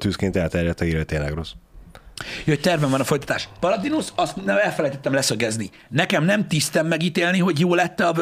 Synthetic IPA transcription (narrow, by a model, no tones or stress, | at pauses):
t̪yːskeːnt̪ɛlt̪ɛɾjɛt̪ɛiɾøːt̪eːnlɛɡɾo̞s | joct̪ɛrvɛɱvɒnɒfojt̪ɒ̥t̪aːʃpɒɾɒd̪inusɒst̪nɛmɛlfɛlɛjt̪ɛt̪ːɛmlɛsøɡɛzni | nɛkɛmnɛmt̪ist̪ɛmːɛɡiːt̪eːlniɦo̞ɟjoːlɛt̪ːɛɒ